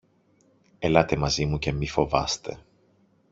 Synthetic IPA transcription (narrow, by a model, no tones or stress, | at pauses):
elɐt̪e̞mɐzimuce̞mifo̞vɐst̪e̞̰